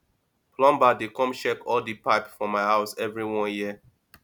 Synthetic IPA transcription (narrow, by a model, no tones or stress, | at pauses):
plɔ̃mbadekɔ̃mʃɛkɔldipaɪpfɔmaɪɦaʊsɛvɹiwɔ̃njiə